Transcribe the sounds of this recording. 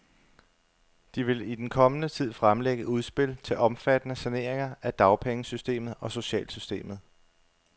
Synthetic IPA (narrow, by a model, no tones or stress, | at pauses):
d̥iʋe̝lid̥enkʰɒ̽mənət͡sʰið̞̰ˠfʁamleɡ̥əuð̞ˠsb̥e̝lt͡sʰe̝lʔɒ̽mfæd̥ənəsæne̝̰ːɐeŋɐæd̥ɑ̈ʊpʰeŋəsysd̥e̝̰ːmð̞̩ˠɒ̽so̝ɕɛ̰ːlsysd̥e̝̰ːmð̩ˠ